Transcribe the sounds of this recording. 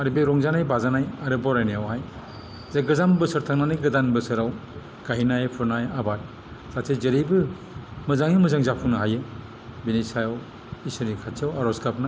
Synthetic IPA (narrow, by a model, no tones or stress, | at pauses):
aɾibeɾɔŋzanajbazanajaɾɯbaɾajnijawhaj | zaɡɯzambɯsɯɾtʰaŋnanɯjɡɯdanbɯsɯɾaw | ɡ̥aɦinajapʰɯɾnajabat | z̥atʰejzeɾijbɯ | mɯzaŋimɯzaŋzapʰuŋnɯɦajɯ | binisajaw | isɯɾnikʰatʰiawaɾɔsɡapnaj